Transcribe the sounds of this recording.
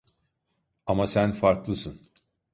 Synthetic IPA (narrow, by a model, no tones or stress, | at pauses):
amasænfaɾklˠɯsɯn